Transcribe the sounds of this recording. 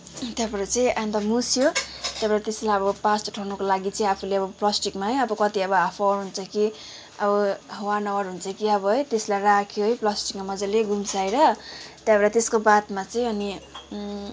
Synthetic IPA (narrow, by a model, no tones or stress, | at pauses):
t̪jabeɾʌt͡sʌĩant̪ʌmusjot̪jabeɾat̪eslajʌbʌpastuʈʰawnʌkolaɡit͡sʌĩapʰuleʌbʌplʌsʈikmaɦʌjʌbʌkʌt̪iʌbʌapʰaɾɦunt͡sʰʌki | ʌbʌɦʌwanʌwʌɾɦunt͡sʰʌkiʌbʌɦʌjt̪eslajrakʰjoɦʌjplʌsʈikmamʌd͡zaleɡumsajɾʌt̪jabeɾat̪eskobat̪mat͡sʌĩʌni